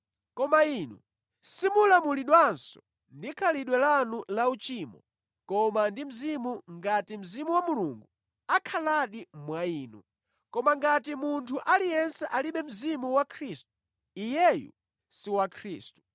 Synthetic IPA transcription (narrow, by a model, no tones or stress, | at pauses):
kɔmainṵ | simulamuliɗwansɔ̥ | ndikʰaliɗwɛlanulaut͡ʃimɔ | kɔmandim̩zimuŋɡatim̩zimuwamuluŋɡu | akʰalaɗimwaiːnṵ | kɔmaŋɡatimuntʰuʔalijɛnsɛʔaliɓɛm̩zimuwakʰɾistu̥ | ijɛjṵ | siwakʰɾiːstu̥